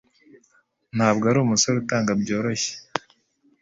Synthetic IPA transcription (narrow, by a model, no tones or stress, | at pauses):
nhaːbɡaɾumusoɾutaːŋɡabɟo̞ːɾo̞çe̥